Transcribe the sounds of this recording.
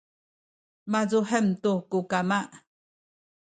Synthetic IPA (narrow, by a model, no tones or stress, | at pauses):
mazuħəmtukukamaʔ